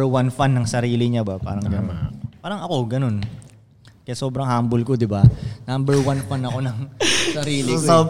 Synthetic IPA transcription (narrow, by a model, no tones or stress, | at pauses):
wanfanːɐŋsɐɾiːliɲabapa̰ɾɐŋɡɐnɔnpaɾɐŋɐkoɡɐnʊn | kɐjasoːbɾaŋhambʊlkʊd̪ɪbanambɛɹwanfanɐkonɐŋsɐɾiːliso